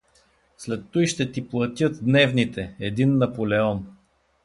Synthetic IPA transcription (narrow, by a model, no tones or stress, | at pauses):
slɛt̪ːujʃt̪ɛt̪iplˠɐt̪ʲɤt̪̚d̪nɛvnit̪ɛɛd̪inːɐpolɛɔn